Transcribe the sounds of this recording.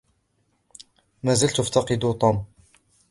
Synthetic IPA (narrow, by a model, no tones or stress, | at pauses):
mæzælt̪ʊft̪ɑqɨd̪ut̪ˤom